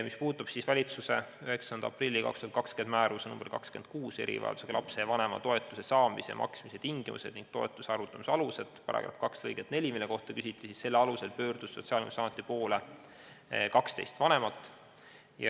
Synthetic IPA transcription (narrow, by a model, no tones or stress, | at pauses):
mispuːt̪ːˑub̥sisvælʲit̪suse̞øɦe̞ksɑnd̪̥ɑɑprilʲːikɑ̰kst̪uɑt̪kɑkskenmæːɾusnumbeɾkɑ̰kske̞n̚kuːse̞ɾʔḭvɑ̰ḛld̪use̥ɑlʔɑpse̞vɑne̞mɑ̰t̪o̞e̞t̪ːˑuse̞sɑːmiseɑ̰mʔɑ̰ksmiset̪iŋɡimṵse̞̰d̪niŋɡ̥̚t̪o̞ḛt̪ːˑuseɑɾut̪ːˑɑmisɑluse̞d̪̥pɑɾʔɑ̰ɡ̥ɾɑ̰fkɑkslɤjɡ̥et̪ne̞lʲimilːe̞ko̞ht̪ɑkysʲit̪ːˑisisse̞lːeɑluse̞lpø̞ːrd̪̥usːo̞t̪siɑːlʲimusɑmut̪ˑːipo̞ːle | kɑkst̪ejst̪vɑne̞mɑt̪ːˑ | jɑ̰